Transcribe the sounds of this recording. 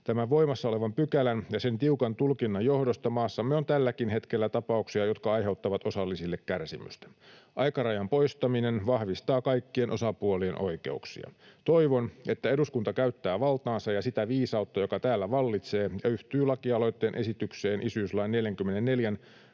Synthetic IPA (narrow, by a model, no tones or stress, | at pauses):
t̪æmæʋʋo̞imɑsːɑo̞leʋɑmpykælænjɑse̞nt̪iukɑnt̪ulkinːɑjjo̞hdost̪ɑmɑːsːɑmːeo̞nt̪ælːækinɦe̞t̪kelːæt̪ɑpɑuksiɑjo̞t̪kɑɑjɦe̞ut̪ːɑʋɑt̪o̞sɑlːisilːekkærsimy̰st̪æ̥ʔɑjkɑrɑjɑmpo̞ist̪ɑminenʋɑhʋist̪ɑːkɑikːie̞nʔo̞sɑpuolienʔo̞̰ike̞̰uksḭɑ̰t̪o̞iʋonʔe̞t̪ːæe̞duskunt̪ɑkæyt̪ːæːʋɑlt̪ɑːnsɑjɑsit̪æʋiːsɑut̪ːɑjo̞kɑt̪æːlːæʋɑlːit̪se̞ːjɑyht̪yːlɑkiɑlo̞jt̪ːeːnʔesit̪ykseːnʔisyslɑinneljæŋkymːenenːe̞ljæn